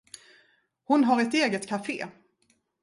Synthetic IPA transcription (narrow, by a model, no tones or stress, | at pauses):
hʊnɦaɾɛt̪eːɡət̪kʰafḛː